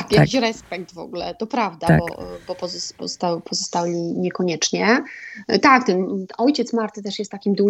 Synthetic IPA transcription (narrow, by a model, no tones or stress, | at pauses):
akjakʲiɕɾɛspɛkt̪vɔ̰ɡulɛ̰t̪ɔpɾavd̪abɔ̰bɔpɔzɔpɔst̪awpʰɔzɔst̪alʲiɲɛkɔɲɛt͡ʂɲɛ | t̪ak̚t̪ɛnɔjt͡ɕɛt̪smaɾt̪ɘt̪ɛʂjɛst̪ːakʲimd̪u